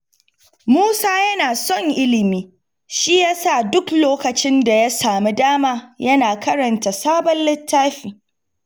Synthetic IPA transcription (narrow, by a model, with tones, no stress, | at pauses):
muː˦saː˦jɐ˦naː˨sɔ˦˨ŋʔɪ˦lɪ˨miː˦ | ʃi˦jaː˦sa˦˨dʊ˦kloː˦kɐ˨t͡ʃɪ˦nda˨ja˦saː˨mi˦daː˦maː˦jɐ˦naː˨kɐ˦ɾɐ˨nta˨saː˦bɔ˦nlɪ˦tʰːaː˦ɸiː˨